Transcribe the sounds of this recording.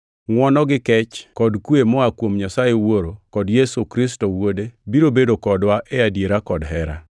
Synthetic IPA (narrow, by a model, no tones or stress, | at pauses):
ŋwɔnɔɡɪkɛt͡ʃkɔdkwemɔakwomɲasajewoɾokɔdjesukɾis̬tɔwodebiɾobedokɔdwaʔɛadjeɾakɔdɦɛɾa̰